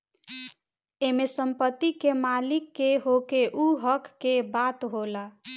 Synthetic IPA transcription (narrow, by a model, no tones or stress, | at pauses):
emesəmpət̪ːikːemalikːeɦokeʔuɦʌkːebat̪ɦola